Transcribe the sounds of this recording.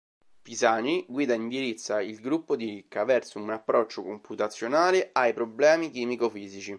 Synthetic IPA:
pizaːniɡwiːd̪aind̪iɾit̪sːailɡɾupːod̪iɾikːavɛrsounapːɾɔt͡ʃːokomput̪at̪sːjonaːleajpɾoblɛːmikiːmikofiːzit͡ʃi

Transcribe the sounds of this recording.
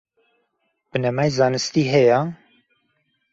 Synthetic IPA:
b̥ɨnɛmajzaːnɨst̪iːɦɛja

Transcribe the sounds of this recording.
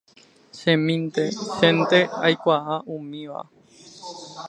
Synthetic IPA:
ʃẽmĩnt̪eʃẽnt̪eajkʷaʔaʔũmĩʋa̰

